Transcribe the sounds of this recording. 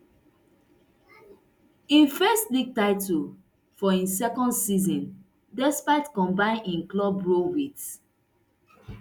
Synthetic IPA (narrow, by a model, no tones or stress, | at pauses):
ĩnfɛstlik̚taɪtul | fɔĩsɛkɔ̃ndsizɔ̃n | dɛspaɪtkɔ̃mbãɪ̃nĩnklɔbɹowit